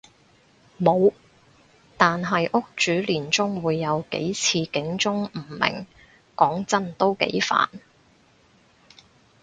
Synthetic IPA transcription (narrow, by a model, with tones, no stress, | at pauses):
mo˨˧w | t̪aː˨nɦɐ˨jʔʊ˥k̚t͡ʃyː˨˥liː˨˩nt͡sʊ˥ŋwuː˨˧jːɐ˨˧wkḛ˨˥jt͡sʰiː˧kɪ˨˥ŋt͡sʊ˥ŋm̩˨˩mɪ̰˨˩ŋ | kɔː˨˥ŋt͡sɐ˥nt̪o˥wkḛ˨˥jfa̰ː˨n